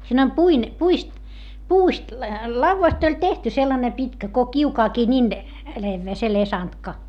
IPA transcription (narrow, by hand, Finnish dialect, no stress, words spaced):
siːn om puin puist puːst lɑuʋːɑst olʲ tehty selːɑne pitkæ ko kiukɑːkiː nin leʋːeː se lesɑntkɑ